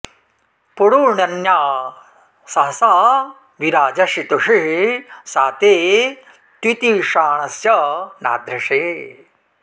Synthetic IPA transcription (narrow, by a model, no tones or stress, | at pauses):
puɽuːɳɐnjaː | sɐɦɐsaː | ʋiɾaːd͡ʒɐʃit̪uʂiɦsaːt̪eː | t̪wit̪iʂaːɳɐsjɐna̰ːd̪ʱɾɐʂeː